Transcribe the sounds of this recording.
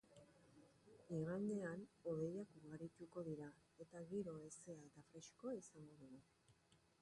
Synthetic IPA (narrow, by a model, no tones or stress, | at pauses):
iɣaneanoðe̞jakuɾɣaɾit̪uko̞ðiɾa | e̞t̪aɣiɾo̞e̞se̞ad̪afɾe̞ʃko̞isaŋɡo̞ðuɣu